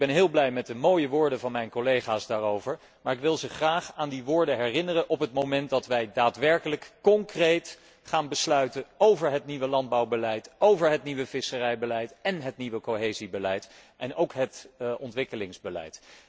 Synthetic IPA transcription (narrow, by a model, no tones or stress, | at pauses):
bɛnɦɪːlˠblɛjmɛt̚dəmoːjəʋʊːɹdəvɑnmɛjnkolejχaːsdaːɹowvəɹ | maːɹɪkʋɪlˠzəχraːχaːndiʋʊːɹdəɦɛrɪnərəʔɔpɦətmowmɛnt̚dɑtʋɛjdaːtʋɛɹkələkkɔŋkrejt | χaːnbəslœɥtəowvəɹɦətniʋəlɑnd̚bɑwbəlɛjtowvəɹɦətniʋəvɪsərɛjbəlɛjtɛnɦətniʋəkoɦejzibəlɛjtʔɛnowkɦətʔɔntʋɪkəlɪŋzbəlɛ̰jt